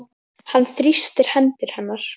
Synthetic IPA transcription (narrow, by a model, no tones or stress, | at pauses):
hanːθɾist̪ɪɾ̥hɛnt̪ɪɾ̥hɛnːaɾ̥